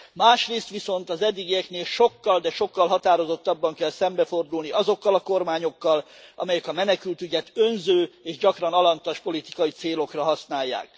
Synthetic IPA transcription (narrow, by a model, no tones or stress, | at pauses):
maːʃreːst̪ʋiso̞nt̪ɒzɛd̪ːiɡijɛkneːlʃo̞kːɒld̪ɛʃo̞kːɒlɦɒt̪aːɾo̞zo̞t̪ːɒbːɒŋkɛlsɛmbɛfo̞rd̪ulniʔɒzo̞kːɒlɒko̞rmaːɲo̞kːɒl | ʔɒ̰mɛjɛkɒmɛnɛkylt̪yɟɛt̪ø̞nzøːeːʒɟɒkrɒnɒlɒnt̪ɒʃpo̞lit̪i̥kɒjit̪seːlo̞krɒɦɒsnaːjːa̰ːk